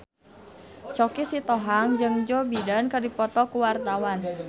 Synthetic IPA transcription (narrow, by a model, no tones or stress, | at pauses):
t͡ʃɔkisit̪ɔɦaŋd͡ʒɨŋd͡ʒɔbidankədipɔt̪ɔkuwart̪awan